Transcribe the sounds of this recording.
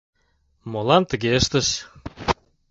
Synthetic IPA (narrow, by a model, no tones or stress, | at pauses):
molɑnt̪əɣeəʃt̪əʃ